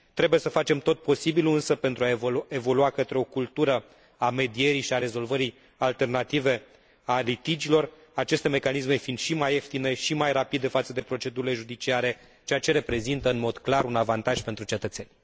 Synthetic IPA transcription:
t̪ɾe̞bujesəfat͡ʃe̞mt̪o̞t̪̚po̞sibiluɨnsəpe̞nt̪ɾuae̞vo̞luakət̪ɾeo̞kult̪uɾə | ame̞d̪ie̞ɾijʃiaɾe̞zo̞lvəɾi | alt̪e̞rnat̪ive̞ | alit̪id͡ʒilo̞r | at͡ʃe̞st̪e̞me̞kanisme̞find̪̥ʃimajeft̪ine̞ʃimajrapid̪e̞fat̪səd̪e̞pɾo̞t͡ʃe̞d̪uɾile̞ʒud̪it͡ʃiaɾe̞ | t͡ʃejat͡ʃe̞ɾe̞pɾe̞zint̪əɨnmo̞d̪klaɾunavant̪aʒ̥pe̞nt̪ɾut͡ʃe̞t̪ət̪senʲ

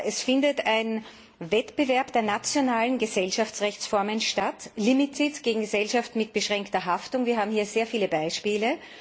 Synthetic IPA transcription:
ʔɛsfɪndətaɪn | vɛtb̥əvɛɐpd̥eːɐnat͡sjonaːlənɡəzɛlʃaft͡sʁɛçt͡sfɔɐmənʃtatlimitʰitɡ̥eːɡŋ̩ɡəzɛlʃaftmɪt̚b̥əʃʁɛŋktɐɦaftʊŋviːɐɦaːbm̩hiːɐzeːɐfiːləbaɪʃpiːlə

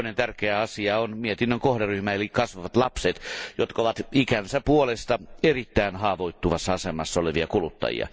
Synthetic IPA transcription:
nent̪ærkeæɑsiɑonmiet̪inːøŋkohderyhmæelikkɑsʋɑʋɑt̪lɑpset̪jot̪kɑoʋɑt̪ikænsæpuolest̪ɑerit̪ːæinhɑːʋoit̪ːuʋɑsːɑɑsemɑsːɑoleʋiɑkulut̪ːɑ̰jḭɑ̰

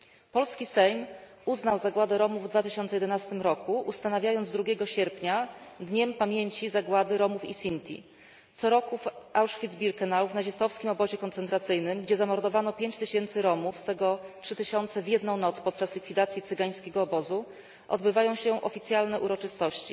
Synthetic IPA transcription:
pɔlskʲisɛjm | uznawzaɡwad̪ɛɾɔmuvːd̪vat̪ɘɕɔnt̪sɛjɛd̪ɛnast̪ɘmɾɔkuʔust̪anavʲjajɔnd̪zd̪ɾuɡʲɛɡɔɕɛɾpɲad̪ɲɛmpamʲjeɲt͡ɕizaɡwad̪ɘɾɔmufḭsʲint̪ʲʰḭ | t̪sɔɾɔkufawʂfʲid̪zbʲiɾkɛnawvnaʑist̪ɔfskʲimɔbɔʑɛkɔnt̪sɛnt̪ɾat̪sɘjnɘmɡd͡ʑɛzamɔɾd̪ɔvanɔpʲjeɲt͡ɕt̪ɘɕɛnt̪sɘɾɔmufst̪ɛɡɔtʂɘt̪ɘɕɔnt̪sɛvʲjɛd̪nɔ̃w̃nɔt̪spɔt̪̚t͡ʂaslʲikfʲid̪at̪sʲjit̪sɘɡaj̃skʲɛɡɔːbɔzu | ʔɔ̰d̪bɘvajɔ̃w̃ɕɛʔɔfʲit̪sʲjalnɛʔuɾɔt͡ʂɘst̪ɔɕt͡ɕḭ

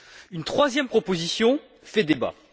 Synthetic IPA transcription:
ynt̪χwazjɛmpχɔpozisjɔ̃ | fɛd̪eba̰

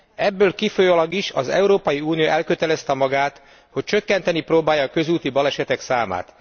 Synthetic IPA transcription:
ɛbːøːlkifojolɒɡiʃɒzɛ̰uɾoːpɒjiuːnijoʔɛlkøt̪ɛlɛst̪ɛmɒɡaːt̪ | ho̞c̚t͡ʃøkːɛnt̪ɛniproːbaːjɒːkø̞zuːt̪ibɒlɛʃɛt̪ɛksaːma̰ːt̪

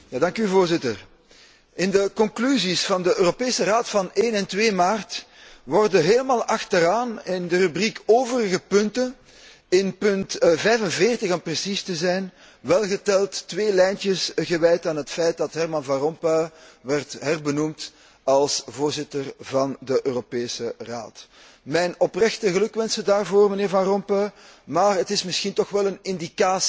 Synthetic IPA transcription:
jaːdɑŋkyvoːrzɪtər | ɪndəkɔŋklyzisfɑndəʔøːropeːsəraːtfɑneːnɛntweːmaːrt | ʋɔrdəɦeːləmaːlˠɑxtəɾaːnɪndərybrikoːvəɾəɣəpɵntən | ɪnpɵntvɛjvənveːrtəɣɔmprəsistəzɛjn | ʋɛlˠɣətɛlˠtːʋeːlɛjntəsɣəʋɛjtaːnɦətfɛjt̚dɑtɦɛrmɑnvɑ̃rɔmpœɥʋɛrtɦɛrbənumt | ɑlˠsvoːrzɪtərvɑndəʔøːropeːsəra̰ːt | mɛjnɔprɛxtəɣəlɵkʋɛnsədaːrvoːrməneːrvɑ̃nrɔmpœɥmaːrətɪsmɪsxintɔxʋɛlənɪndikaːs

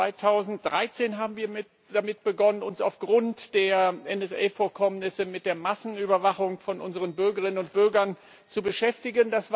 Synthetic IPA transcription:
aɪtʰaʊzn̩t̚d̥ʁaɪt͡seːnɦaːbm̩viːɐmɪ | d̥amɪt̚b̥əɡɔnənʊnsa̰ʊfɡ̥ʁʊntd̥eːɐʔɛnɛsʔḛɪfoːɐkʰɔmnɪsəmɪt̚d̥eːɐmasn̩yːbɐvaχʊŋfɔnʔʊnzəʁənbʏɐɡəʁɪnənʊnt̚b̥ʏɐɡɐn | t͡subəʃɛftɪɡəndasv̥

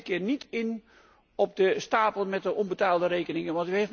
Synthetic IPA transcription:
kɪːrnitɪn | ɔp̚dəstaːpəlˠmɛt̚dəʔɔnbətaːlˠdəreːkənɪŋənʋɑntyhef

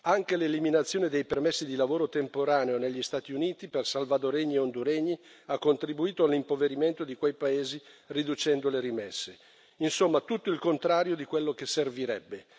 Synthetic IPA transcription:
aŋkeleliminat̪sːjoːned̪ejpermesːid̪ilavoːɾot̪empoɾaːneoneʎːist̪aːt̪iuniːt̪ipersalvad̪oɾeɲːieond̪uɾɛɲːi | akːont̪ɾibuiːt̪oalːimpoveɾiment̪od̪ikwejpaeːzirid̪ut͡ʃɛnd̪oleɾimɛsːe | insomːat̪ut̪ːoilkont̪ɾaːɾjod̪ikwelːok̟esːerviɾɛbːe

